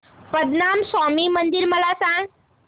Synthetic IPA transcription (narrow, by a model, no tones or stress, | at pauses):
pɐd̪naːmsaːmimɐ̃nd̪ɪɾmɐlasã